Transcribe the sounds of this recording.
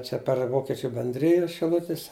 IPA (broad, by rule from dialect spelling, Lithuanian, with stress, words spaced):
ˈt͡ʃʲɛ pʲɛr ˈʋoːkʲɪt͡ʃʲʊ bʲɛnʲˈdʲrʲɪjʊs ʃʲɪˈlˠʊtʲɪs